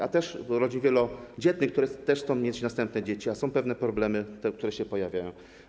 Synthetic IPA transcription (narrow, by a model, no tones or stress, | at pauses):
a̰t̪ɛʂɾɔd͡ʑinvʲjɛlɔd͡ʑɛt̪ɲɘk̚t̪uɾɛt̪ɛʂsɔ̃w̃mʲjet͡ɕnast̪ɛmp̚nɛd͡ʑet͡ɕiasɔ̃w̃pɛvn̪ɛpɾɔblɛmɘt̪ɛk̚t̪uɾɛɕɛpɔjavʲjajɔ̃w̃